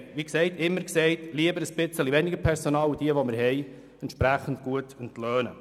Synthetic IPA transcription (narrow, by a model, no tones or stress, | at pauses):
ʋiksɛɪtɪmːəɾksɛɪtliəbəɾəsb̥ɪt͡səliʋɛniɡəpʰɛɾsonɑːlud̥̪iəʋomɪɾɦɛj | ɛntʃpɾæχən̩dɡ̥uətəntløːnə